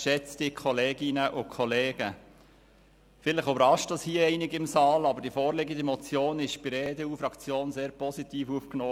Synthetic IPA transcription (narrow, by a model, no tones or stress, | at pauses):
ʃɛt͡st̪ikʰχɔleːɡɪnəʔʊkʰɔleːɡ̥ə | fɪləχybəɾɑʃtd̥ɑshiːəɛɪnɪɡɪmsɑːlɑbəɾd̥iəfoːɾlɪɡəd̪emɔt͡sjoːnɪʃb̥ɪɾɛːd̪ɛuːfɾɑkt͡sjoːnseːɾpɔsit̪iːfufknɔː